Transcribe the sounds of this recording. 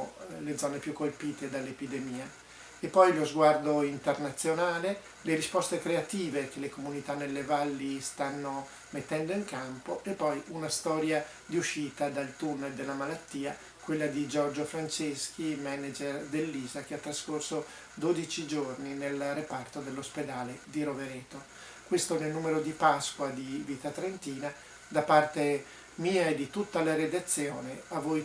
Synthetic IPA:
led̪zːɔːnepjukːolpiːt̪ed̪alːepid̪emiːa | epːɔjlozɡward̪oint̪ernat̪sːjonaːle | leɾispɔst̪ekɾeat̪iːvek̟elekomunit̪anːelːevalːist̪anːo | met̪ːɛnd̪oiŋkampoʔepːɔjunast̪ɔːɾja | d̪iuʃːiːt̪ad̪alt̪unːeld̪elːamalat̪ːiːa | kwelːad̪id͡ʒɔrd͡ʒofɾant͡ʃesk̟ʰimɛnad͡ʒerd̪elːiːzak̟eat̪ːɾaskorso | d̪oːd̪it͡ʃid͡ʒorninelrepart̪od̪elːosped̪aːled̪iɾoveɾeːt̪o | kwest̪onelnuːmeɾod̪ipaskwad̪iviːt̪at̪ɾent̪iːna | d̪apart̪e | miːaed̪it̪ut̪ːalaɾed̪at̪sːjoːneavːoj

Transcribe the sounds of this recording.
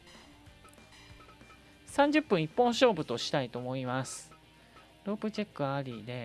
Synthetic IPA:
sãɲ̟d͡ʑɨpːɯ̟̃ɰ̃ipːõɰ̃ɕo̞ːbɯ̟t̪o̞ɕi̥t̪ait̪o̞ːmo̞imasɨ̥ | ɾo̞ːpɯ̟t͡ɕekːɯ̟aɾʲiːd̪e̞

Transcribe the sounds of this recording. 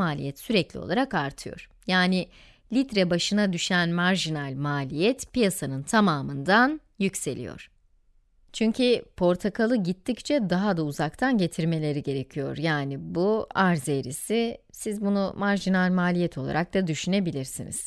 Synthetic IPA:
aːlʲḭjɛt̪syɾɛclʲio̞̰lˠaɾakaɾt̪ʰɯjo̰ɾ̥ | jaːni | lʲit̪ɾɛbaʃɯnad̪yʃænmaɾʒinalʲmaːlʲijɛt̪pijasanɯnt̪ʰamaːmɯnd̪an | jycse̞lʲḭjo̰ɾ̥ | t͡ʃʰyɲcʰipʰo̞ɾt̪ʰakʰalˠɯɟit̪ʰːic̚t͡ʃʰɛd̪aɦad̪auzak̚t̪ʰanɟe̞t̪ʰiɾme̞lʲe̞ɾiɟe̞ɾe̞cʰijo̞̰ɾjaːnibuaɾzeɾḭsisizbunumaɾʒinalʲmaːlʲijɛt̪ʰo̞lˠa̰ɾak̚d̪ad̪yʃyne̞bilʲiɾsinḭz̥

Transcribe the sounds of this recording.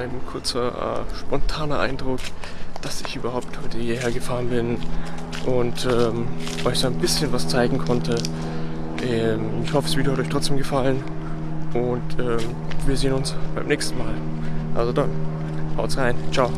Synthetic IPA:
aɪnkʰʊɐt͡sɐʔɛ̰ʃpɔntʰaːnɐʔa̰ɪndʁʊkd̥asɪçʔyːbɐhaʊp̚tʰhɔʏtəhiːɐheːɐɡəfaːʁənbɪn | ʔʊntʔɛːmɔɪçz̥oanbɪsçənvast͡saɪɡŋ̩kʰɔntʰə | ʔɛmɪçhɔfəsviːdɐhatɔçtʁ̥ɔt͡sd̥eːmɡəfalən | ʔʊntʔɛːm | viːɐzeːənʊnsb̥aɪmnɛːçstn̩maːlʔa̰lzodan | haʊtsʁaɪnt͡ʃaʊ

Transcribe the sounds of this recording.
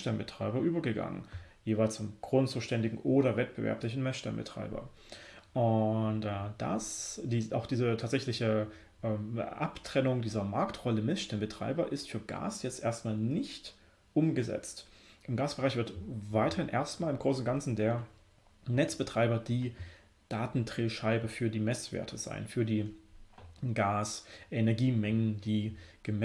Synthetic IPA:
ʃtɛnbətʁ̥aɪbɐʔyːbɐɡəɡa̰ŋə̰njeːvaɪlst͡sʊmɡ̥ʁʊnt͡suːʃtɛndɪɡŋ̩ʔoːɾɐvɛt̚b̥əvɛ̰ɐplɪç̬n̩mɛsʃtɛ̰mbə̰tʁ̥a̰ɪbɐ̰ | ʔʊntʔɛd̥a̰sdiːa̰ʊxd̥iːzətʰaːtz̥ɛçlɪçə | ʔɛːmʔaptʁ̥ɛnʊŋdiːzɐmaɐktʁɔləmɛsʃtɛnbətʁ̥a̰ɪbɐʔɪstfyːɐɡa̰ːsjɛt͡stʔeːɐstmaːlnɪçt | ʔʊmɡəzɛ̰t͡st | ʔɪmɡaːsb̥əʁaɪçv̥ɪɐtvaɪtʰɐhɪnʔḛːɐstmaːlɪmɡʁoːsn̩ɡant͡sn̩deːɐ | nɛt͡sb̥ətʁ̥aɪbɐdiː | d̥aːtn̩tʁ̥eːʃaɪbəfyːɐdiːmɛsv̥ḛːɐtʰəza̰ɪnfyːɐdiː | ɡaːsʔɛnɛɐɡiːmɛŋəndiːɡ̥əmɛ

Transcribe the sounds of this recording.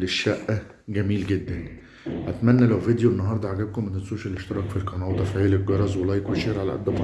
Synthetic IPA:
leʃːæʔː | ɡæmiːlɡed̪ːæn | ʔæt̪mænːælæwved̪joʔenːɑɦɑːɾˤd̪ˤɑʕaɡæb̚komːænt̪æt̪sˤoːʃæleʃt̪ɑɾˤɑːkfilkɑnɑːt̪ˤɑfiʕeːlekɡɑɾˤɑzwelɑjkweʃeɾʕalæ̰ʔæ̰d̪ːæbɑ

